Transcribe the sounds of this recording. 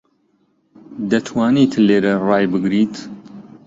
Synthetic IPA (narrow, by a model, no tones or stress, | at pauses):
d̪ɐt̪ʰwaːnit̪leːɾɐrɑːjbɨɡɾit̪